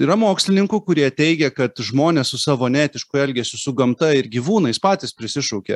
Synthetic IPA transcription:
iːɾɐmoːksʲlʲɪnʲɪŋkʊkʊɾʲiɛt̪ʲɛɪɡʲɛkɐt̪ʒmoːnʲeːsʊsɑːʋoːnʲæːt̪ʲɪʃkʊɛlʲɡʲesʲɪsʊɡɐmt̪ɐɪɾɡʲiːʋuːnɐɪspɑːt̪ʲɪspʲɾʲɪsʲɪʃɐʊkʲḛ

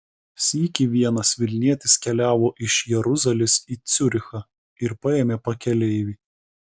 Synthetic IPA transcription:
sʲikʲiʋʲiɛnɐsʋʲɪlʲnʲiɛt̪ʲɪskʲɛlʲæːʋoːʔɪʃjɛɾʊzɐlʲɪsiːt̪sʲʊɾʲɪxɐ | ɪɾpɐeːmʲeːpɐkʲɛlʲɛɪʋʲiː

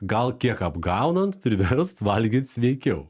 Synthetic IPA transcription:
ɡɐlˠkʲiɛkɐbɡɑˑʊnɐnt̪pʲɾʲɪʋʲɛɾst̪ʋɐlʲɡʲiːt̪sʲʋʲɛɪkʲɛʊ

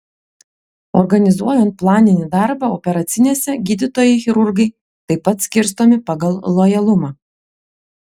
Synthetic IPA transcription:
ɔɾɡɐnʲɪzuɔjɛnt̪̚plˠɑːnʲɪnʲɪd̪ɑɾbɐɔpʲɛɾɐt̪sʲɪnʲeːsʲɛɡʲiːd̪ʲɪt̪oːjɛɪxʲɪɾʊɾɡɐɪ | t̪ɐɪpːɐt̪sʲkʲɪɾs̬t̪oːmʲɪpɑɡɐlˠlˠɔjɛlˠʊmɑː

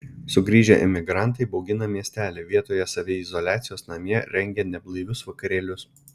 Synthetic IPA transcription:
sʊɡɾʲiːʒʲɛ̰ʔɪ̰mʲɪɡɾɑˑnt̪ɐɪbɔʊɡʲɪnɐmʲiɛsʲt̪ʲæːlʲeʋʲiɛt̪oːjɛsɐʋʲɪɪzɔlʲæːt̪sʲɪjoːsnɐmʲjɛɾʲɛŋʲɡʲɛnʲɛblˠɐɪʋʲʊsʋɐkɐɾʲiɛlʲʊs

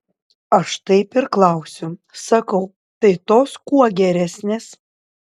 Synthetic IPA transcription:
ɐʃt̪ɐɪpɪɾklˠɐʊsʲʊsɐkɐʊ | t̪ɐɪt̪oːskuɔɡʲɛɾʲæsʲnʲeːs

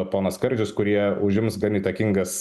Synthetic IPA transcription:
poːnɐskɐɾʲd͡ʒʲʊskʊɾʲiɛʊʒʲɪmsɡɐniːt̪ɐkʲiŋɡɐs

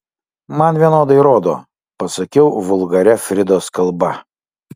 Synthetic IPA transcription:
mɐnʋʲiɛnoːd̪ɐɪɾoːd̪o̰ː | pɐsɐkʲɛʊʋʊlˠɡɐɾʲɛfʲɾʲɪd̪oːskɐlˠbɐ

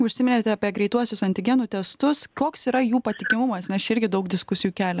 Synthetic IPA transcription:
ʊʃʲsʲɪmʲɪnʲet̪ʲɛɐpʲiɛɡɾʲɛɪt̪uɔsʲʊsɐnʲt̪ʲɪɡʲɛnuːt̪ʲɛst̪ʊskoːksiːɾɐjuːpɐt̪ʲɪkʲɪmʊmɐsnʲɛst͡ʃɪɾʲɡʲɪd̪ɐʊkd̪ʲɪskʊsʲɪjuːkʲæːlʲɛ

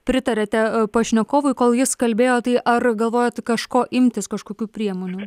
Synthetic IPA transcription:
pʲɾʲɪt̪ɐɾʲɛt̪ʲɛpɐʃʲnʲɛkoːʋʊɪkoːlˠjɪskɐlʲbʲeːjoːt̪ɐɪʔɐrɡɐlˠʋoːjoːt̪kɐʃkoːʔɪmʲt̪ʲɪskɐʃkoːkʲuːpʲɾʲiɛmoːnʲuː

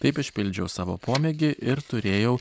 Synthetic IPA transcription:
t̪ɐɪpɪʃʲpʲɪlʲd͡ʒʲɛʊsɑːʋo̰ːpuɔmʲɛɡʲɪʔɪɾt̪ʊɾʲeːjɛʊ

